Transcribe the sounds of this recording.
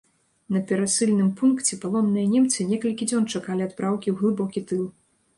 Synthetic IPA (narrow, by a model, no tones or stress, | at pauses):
nɐpʲɛɾasɨlʲnɨmpunkt͡sʲɛpalˠɔmnɨjɐnʲɛmt̪sɨnʲɛkɐlʲkʲid͡zʲɔnt͡ʂakalʲiad̪pɾʔawkʲiwɣlˠɨbɔkʲit̪ɨlˠ